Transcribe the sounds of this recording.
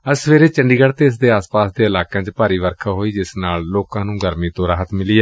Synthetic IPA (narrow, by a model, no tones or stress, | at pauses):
əsʋeːɾeːt͡ʃəɳɖiːɡəɽt̪eːɪs̬d̪eːaːspaːsd̪eːəlaːkãːt͡ʃpaːɾiːʋəɾkʰaːɦoːiːd͡ʒɪsnaːlloːkãːnũːɡəɾmĩːt̪õːɾaːɦət̪mɪliːɛ